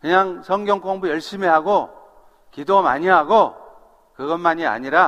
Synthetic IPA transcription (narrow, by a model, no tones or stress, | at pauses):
kɯɲaŋsʰʌŋɡjʌŋk͈oŋbujʌɭɕ͈imiɦaɡo | kidoma̰ɲiɦaɡo | kɯɡʌnmaɲia̰ɲiɾa